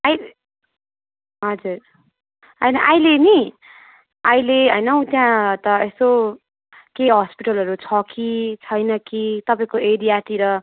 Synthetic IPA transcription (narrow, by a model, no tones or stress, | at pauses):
aj | ɦʌd͡zuɾr | ɦʌjnʌʔajleni | ajleɦʌjnʌũt̪jãt̪ʌeso | keɦʌspiʈʌlɦʌɾut͡sʰʌkit͡sʰʌjnʌkit̪ʌpãĩkoeɾiaʈiɾʌ